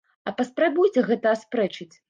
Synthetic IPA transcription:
ɐpɐspɾabujt͡sʲɛɣɛt̪ɐːspɾɛt͡ʂɨt͡sʲ

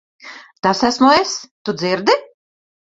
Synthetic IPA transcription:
t̪asæsmuest̪ud̪ziɾd̪i

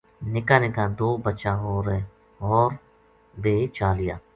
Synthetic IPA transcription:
nɪkaːnɪkad̪oːbət͡ʃaɦoːɾe | ɔːɾ | beːt͡ʃaːlɪja̰ː

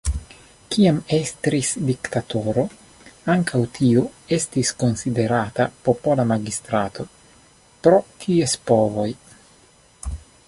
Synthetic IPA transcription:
kiame̞st̪ɾisdikt̪ato̞ɾo̞ | aŋkawt̪ʰiue̞stisko̞nside̞ɾat̪apo̞po̞lamaɡist̪ɾat̪o̞ | pɾo̞tʰiespo̞vo̞j

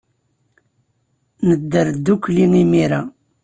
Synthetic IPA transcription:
nəd̪ːəɾd̪ːukːliŋimiɾa

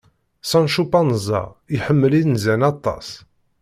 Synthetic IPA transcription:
sɑnʃupɑnəzˤɑ̰iħəmːəliðnzænɑt̪ˤːɑ̰s

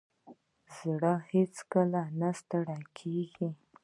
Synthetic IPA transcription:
zɽəhet͡skəlanast̪əɽakʰeɡi

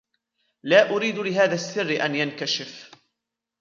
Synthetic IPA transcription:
laːʔʊɾiːd̪lɪɦaːðasːɪrːɪʔanjankaʃɪf

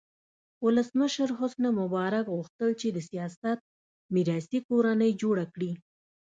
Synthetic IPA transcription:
wʊləsməʃəɾɦʊsnamʊbɑɾakɣuxt̪əlt͡ʃed̪əsijɑsat̪̚ | miɾɑsikoɾanəjd͡ʒoɽakɽi

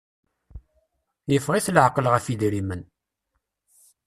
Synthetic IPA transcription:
jəfʁiθlʕqːəlʁəfid̪ɾimən

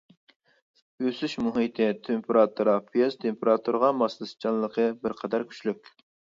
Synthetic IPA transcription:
øsyʃmuɦit̪ʰɪt̪ʰempʰeɾɑt̪ʰuɾɑpʰijezt̪ʰempʰeɾɑt̪ʰuɾʁɑmɑslˠɨst͡ʃʰɑnlːˠəqʰəbɪɾqʰɑd̪ɑɾkʲʰy̥t͡ʃlykʲ

